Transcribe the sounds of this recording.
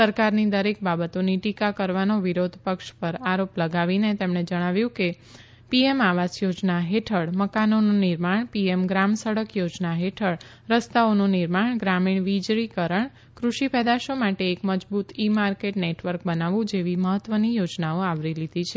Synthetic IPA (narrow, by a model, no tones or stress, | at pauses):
səɾkaɾnid̪əɾekbabət̪oniʈikakəɾʋanoʋiɾod̪ʱpəkʃpəɾaɾopləɡaʋinet̪emɳed͡ʒəɽ̃aʋjũke | piemaʋasjod͡ʒnaɦeʈʰəɽməkanonũniɾmaɳpiemɡɾamsəɽəkjod͡ʒnaɦeʈʰəɽ | ɾəst̪aonũniɾmaɳɡɾamiɳʋid͡ʒɾikəɾəɳ | kɾuʃipɛd̪aʃomaʈeːkməd͡ʒbut̪imaɾkeʈneʈʋəɾk̚bənaʋũd͡ʒeʋiməɦət̪ːʋənijod͡ʒnaoaʋɾilid̪ʱit͡ʃʰe